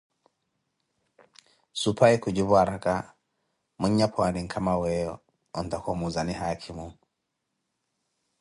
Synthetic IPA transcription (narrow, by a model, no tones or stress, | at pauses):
supʰajkud͡ʒuβuaɾaka | muɲːapʰɔaniŋkʰamawɛjɔ | ɔntakɔmuzanihakʰimuŋ